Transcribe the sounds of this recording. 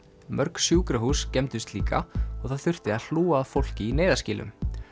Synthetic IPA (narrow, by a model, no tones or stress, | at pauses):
mœɾksjuːkɾaɦuːscɛmt̪ʏst̪liːkʰa̰ɔɣθaðθʏr̥t̪ɪaðl̥uːaːðfowl̥cɪineːjðascɪːlʔʏ̰m